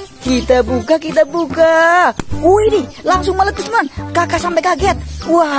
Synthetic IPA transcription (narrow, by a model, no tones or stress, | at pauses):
kit̪abukakit̪abuka | uidilaŋsʊŋmələt̪ːismankakasampɛkaɡɛt̪̚wa